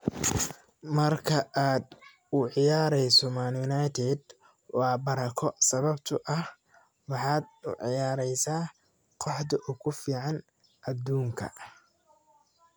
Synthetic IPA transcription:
mɐrkʰɐʔaːd̪ | ʊʕɪjaːɾɛjsɔmanjʊnajt̪ʰɛd̪ | wɑːbɐɾɐkʰɔsɐβɐbt̪ʰʊʔɐh | wɑħɑːd̪ʊ̰ʕɪ̰jaːɾɛjsaː | qʰɔħd̪ɐʔʊkʰʊfiːʕɑn | ʔɐd̪uːŋkʰɐ̰

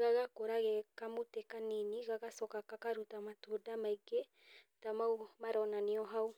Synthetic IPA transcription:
ɣaɣakoɾaɣɛkamotɛkaniniɣaɣasɔkakakaɾutamatodamaiɡe | tamaumaɾɔnaniɔɦau

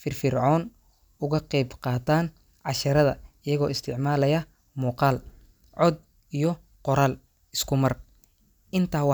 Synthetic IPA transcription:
fɪrfɪrʕɔːn | ʊɣɐqɛjbqɑːt̪ʰaːn | ʕɑʃɐɾɐðɐɪjɐɣɔːɪst̪ʰɪʕmaːlɐjɐ | muːqɑːl | ʕɔd̪̚ | ijɔ | qɔɾaːl | ɪskʰʊmɐr | ʔɪnt̪ʰaːwɑ

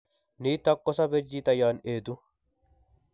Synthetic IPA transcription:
niːt̪ːɐkːɔsɐbɛd͡ʒːiːt̪ɐjaːneːt̪ʊ

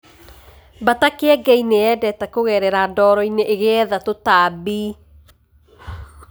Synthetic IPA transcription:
batakeɛɡɛineɛdɛtakoɣɛɾɛɾaːdɔːɾɔineʔːɣeɛðatotaːbi

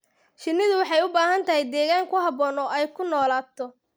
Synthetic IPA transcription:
ʃɪnːɪðʊwɑħɑjʊbaːɦɐnt̪ʰɐɦɛjd̪ɛːɣaːŋkʰʊɦɑβɔːnɔʔɛjkʰʊnɔːlaːb̚t̪ʰɔ

